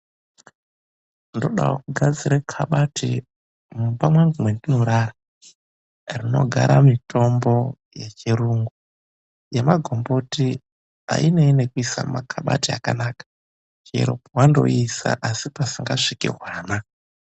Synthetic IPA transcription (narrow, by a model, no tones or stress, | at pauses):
ndo̞ɗa̰wo̰kuɡʱad͡ziɾekʰaɓatḭ | mupamwaŋɡumwendino̞ɾara | rino̞̰ɡʱaɾamitʰo̞mbo̞ | jet͡ʃeɾuːŋɡu | jemaɡʱomboti | a̰ineine̞kuisamakʰaɓa̰tia̰kanaːkḁ | t͡ʃḛɾo̞̰powando̞̰isa̰ʔasipasiŋɡaʂikḭrwaːna